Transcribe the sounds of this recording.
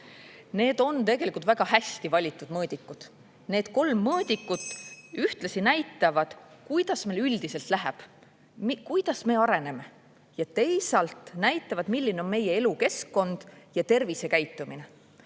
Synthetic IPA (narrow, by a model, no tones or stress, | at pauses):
ne̞ːd̪̥o̞nt̪e̞ɡ̥elikˑult̪væɡ̥ɑhæsʲt̪ivɑlʲit̪ːˑud̪̥mɤːd̪ikːˑud̪̥ | ne̞ːd̪̥ko̞lmːɤːd̪̥ʲikːut̪yht̪lɑsinæjt̪ːˑɑvɑd̪̥kujd̪̥ɑsme̞ːlyld̪̥ise̞lt̪læɦeb̥ | mkujd̪̥ɑsme̞ːɑɾe̞ne̞me̞ | jɑt̪e̞jsɑlt̪ˑnæjt̪ːˑɑvɑd̪milʲːineo̞nme̞je̞e̞luke̞skːo̞nd̪̥jɑt̪e̞rvise̞kæjt̪ːˑumine̞